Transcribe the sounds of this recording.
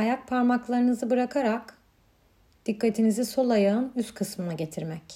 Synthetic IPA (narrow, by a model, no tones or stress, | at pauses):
ajak̚pʰaɾmaklˠaɾɯnɯzɯbɯɾakʰaɾak | d̪̥ikːat̪ʰiniziso̞lˠajaɯnyst̪kʰɯsmɯnaɟe̞t̪ʰiɾmɛc